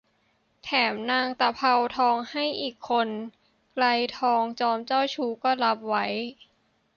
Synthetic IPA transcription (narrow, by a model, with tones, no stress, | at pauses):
t̪ʰɛː˩˦mnaː˧ŋt̪a˧˩pʰa˧wt̪ʰɔː˧ŋha˥˩jʔiː˨˩kʰːo˧n | kla˧jt̪ʰɔː˧ŋt͡ɕɔː˧mt͡ɕɔː˥˩wt͡ɕʰuː˦˥kɔː˥˩la˦˥p̚wa˦˥j